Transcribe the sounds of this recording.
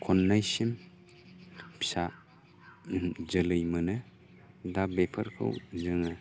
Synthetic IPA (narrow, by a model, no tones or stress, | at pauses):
kʰɔnːajsim | pʰi̥sa | d͡ʒɯlɯjmɯnɯ | dabepʰɐɾkʰɯ̰wzɯŋɯ